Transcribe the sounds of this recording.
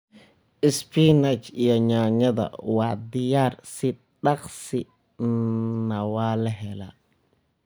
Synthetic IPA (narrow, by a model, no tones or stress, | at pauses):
ɪspinat͡ʃijɔɲaːɲɐðɐ̰waːd̪ɪjaːrsɪ | ɗɑqsɪ | nɐwaːlɐɦɛla̰